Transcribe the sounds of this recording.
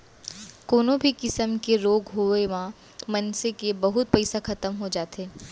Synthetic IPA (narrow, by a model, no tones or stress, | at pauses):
koːnobʱikɪsəmkeɾoːɡɦoeʋã | mɐnsekebɐɦʊt̪̚pɛɪsaxɐt̪əmɦod͡ʒaːt̪eː